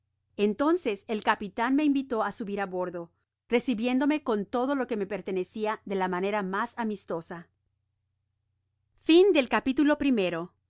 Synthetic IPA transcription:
e̞nt̪o̞nse̞selkapit̪anme̞imbit̪o̞asuβiɾaβo̞ɾðo̞ | re̞siβje̞nd̪o̞me̞ko̞nt̪o̞ðolo̞ke̞me̞pe̞ɾt̪e̞ne̞siaðe̞lamane̞ɾamasamist̪o̞sa | find̪e̞lkapit̪ulo̞pɾime̞ɾo̞

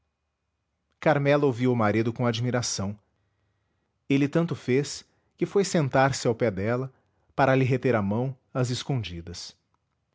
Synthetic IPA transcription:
kaɾmɛlɐowviwʊmaɾid̪ʊkõad͡ʒmiɾasɐ̃w̃ | elɪt̪ɐ̃nt̪ʊfes | kɪfojsẽnt̪aɾsɪawpɛd̪ɛlɐ | paɾɐlɪɦet̪eɾamɐ̃w̃ | ɐzɪskõd͡ʒid̪ɐs

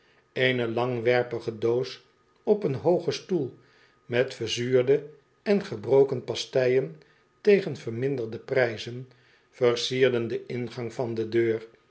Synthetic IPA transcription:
ejnəlɑŋʋɛɹpəχədoːs | ɔpənɦowχəstulˠ | mɛtfəɹzyːɹdə | ɛnχəbrowkənpɑstɛjən | tejχənvəɹmɪndəɹdəprɛjzən | fəɹsiːɹdəndəʔɪnχɑŋvɑndədøːr

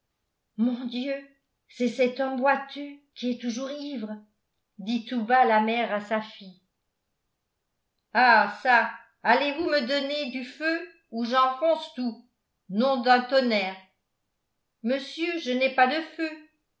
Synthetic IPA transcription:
mɔ̃d̪jø | sɛsɛt̪ɔmbwat̪ykʲiɛt̪uʒuʁivʁ | d̪it̪ubalamɛʁasafi | asa | alevuməd̪ɔned̪yfø | uʒɑ̃fɔ̃st̪u | nɔ̃d̪ɛ̃t̪ɔnɛːʁ | məsjøʒənɛpad̪əfø

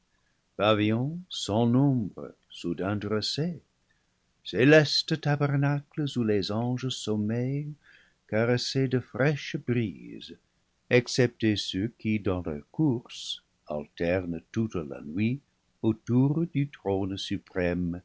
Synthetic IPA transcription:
pavijɔ̃sɑ̃nɔ̃bʁə̰ | sudɛ̃dʁəse | selɛstətabɛʁnakləsulezɑ̃ʒəsɔmɛj | kaʁesedəfrɛʃbrḭz | ɛksɛp̚tesøkidɑ̃lœ̰ʁkuʁs | a̰ltɛʁntutla̰nwi | otuʁdytʁonsypʁɛm

